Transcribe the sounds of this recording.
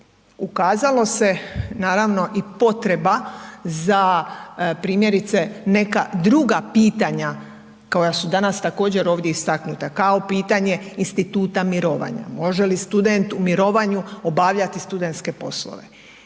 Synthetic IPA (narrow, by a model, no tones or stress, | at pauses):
ukaːzalo̞se̞naːɾaʋno̞ʔipo̞t̪ɾe̞baza | pɾiːmje̞ɾit̪se̞ne̞kad̪ɾuɡapiːt̪aɲa | ko̞jasud̪anast̪ako̞ːd͡ʑe̞ɾo̞ːʋd̪jeist̪aknut̪akao̞piːt̪aɲe̞inst̪it̪uːt̪amiɾo̞ːʋa̰ɲa̰mo̞ʒelist̪ud̪e̞nt̪umiɾo̞ːʋaɲuo̞baʋʎat̪ist̪ud̪e̞nt̪ske̞po̞̰slo̰ʋe̞̰